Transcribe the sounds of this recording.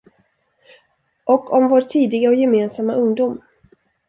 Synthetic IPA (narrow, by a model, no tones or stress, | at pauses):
ʔɔkʰːɔmvoːɾʈʰiːd̪ɪɡaɔjɛmeːnsamːaɵŋd̪uːm